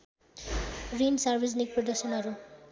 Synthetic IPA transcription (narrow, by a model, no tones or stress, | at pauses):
ɾinsaɾbʱisnik̚pɾɔdʌk̚sʌnɦʌɾu